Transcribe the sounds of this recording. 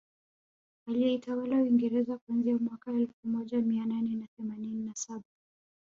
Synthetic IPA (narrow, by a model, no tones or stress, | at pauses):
alijɛitawalawiŋɡɛɾɛzakuanziamwakaɛlfumɔʄamiananɛnaθɛmanininasaɓa